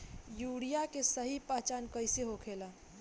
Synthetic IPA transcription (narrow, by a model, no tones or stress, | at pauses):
juɽijakesəɦipəɦt͡ʃankəjseɦokʰela